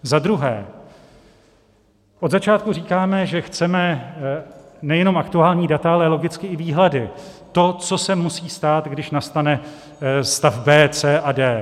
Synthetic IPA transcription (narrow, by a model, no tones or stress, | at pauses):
zad̪ɾuɦɛ̰ː | ʔod̪zat͡ʃaːt̪kuriːkaːmɛʒɛxt͡sɛmɛ | nɛjɛno̞mʔakt̪uaːlɲiːdat̪aalɛlo̞ɡɪt͡skɪɪviːɦladɪt̪o̞t͡so̞sɛmusiːst̪aːt̪ɡdɪʃnast̪anɛ | st̪afbɛːt͡sɛːʔadɛː